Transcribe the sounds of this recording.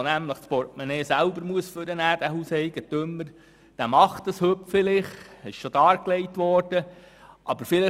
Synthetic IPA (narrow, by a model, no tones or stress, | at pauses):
næmləχspɔɾt̚mɛneːsælbəɾmuəsføɾənæːd̥æhuːsɛjɡətʏmːəɾ | d̥æmɑχtəshøpfɪlɪχɪʃʃod̥ɑːɾkleɪtʋɔɾd̥ə | ʔɑbəɾfɪlɪ